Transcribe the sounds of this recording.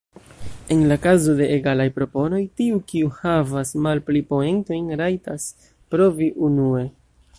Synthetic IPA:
e̞nlakazo̞de̞ʔːɡalajpɾo̞po̞no̞jtiukiuhavasmalplipo̞e̞nto̞jnɾajtas | pɾo̞viʔunue̞

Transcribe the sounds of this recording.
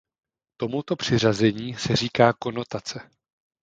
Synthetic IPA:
t̪o̞mut̪o̞pr̝̥ɪrazɛɲiːsɛr̝iːkaːko̞no̞t̪at͡sɛ

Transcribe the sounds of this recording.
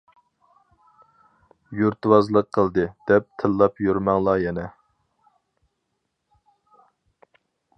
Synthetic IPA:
juɾt̪wɑzlˠəq̚ʰːəlˠd̪ɨd̪̥ɛp̚t̪ʰɨlˠːɑpjyɾmɑŋlˠɑjɛnɛ

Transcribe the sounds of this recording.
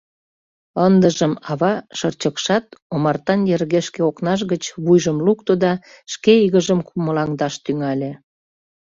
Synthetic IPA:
ənd̪əʒəmɑβɑʃərt͡ɕəkʃɑt̪̚omɑrt̪ɑnjerɣeʃkeoknɑʃ̬ɣət͡ɕβujʒəmlukt̪od̪ɑ | ʃkeiɣəʒəmkuməlɑŋd̪ɑʃt̪yŋɑlʲe

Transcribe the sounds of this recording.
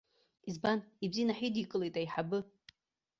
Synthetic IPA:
izbanibzinaħidikʼɨlejtʼaiħabɨ

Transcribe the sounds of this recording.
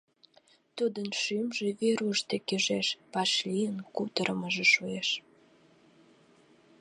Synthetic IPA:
t̪ud̪ənʃymʒeβeɾuʃt̪ekeʒeʃpɑʃlijənkut̪əɾəməʒeʃueʃ

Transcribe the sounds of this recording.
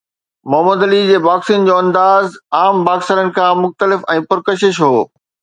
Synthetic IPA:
mʊɦəməd̪ɐlid͡ʑeːʋaːksiːnd͡ʑoːɐ̃nd̪aːzaːmbaːksəɾənɪ̆kʰãːmʊxt̪əlɪfɛ̃ːpʊɾkəʃɪʃɦoː

